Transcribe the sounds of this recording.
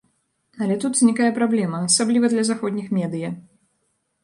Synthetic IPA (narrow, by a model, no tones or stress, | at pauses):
ɐlʲɛt̪ut̪zʲnʲikajɐpɾablʲɛmɐːsablʲivɐd̪lʲɐzaxɔd̪ʲnʲixmʲɛd̪ɨjɐ